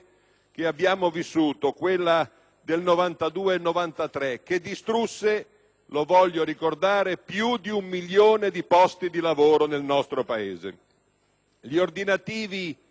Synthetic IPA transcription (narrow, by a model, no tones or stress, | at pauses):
k̟eabːjaːmovisːuːt̪okwelːa | d̪elnovant̪ad̪uːeːnːovant̪at̪ɾek̟ed̪ːist̪ɾusːe | lovɔʎːoɾikord̪aːɾepjud̪iumːiʎːjoːned̪ipɔst̪id̪ilavoːɾonelnɔst̪ɾopaeːzḛ | ʎiord̪inat̪iːvi